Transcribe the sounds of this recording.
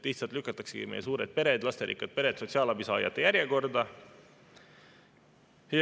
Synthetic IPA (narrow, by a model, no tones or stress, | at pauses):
liht̪sɑlt̪lykːˑɑt̪ːˑɑkseɡ̥ḭmejes̬uːɾet̪̚pe̞ɾed̪̥lɑst̪eɾḭːkːˑɑd̪̚pe̞ɾe̞t̪so̞t̪siɑlɑbisɑːjɑ̰t̪ːˑejæɾjeko̞rd̪ɑ | j